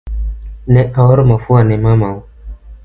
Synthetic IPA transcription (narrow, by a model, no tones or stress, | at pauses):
nɛ̃ʔawɔɾmãfʊanɪ̃mãmãwʊ